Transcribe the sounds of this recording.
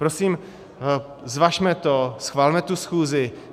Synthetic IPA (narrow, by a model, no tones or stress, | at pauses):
pɾo̞siːm | zvaʃmɛt̪osxvaːlmɛt̪usxuːzɪ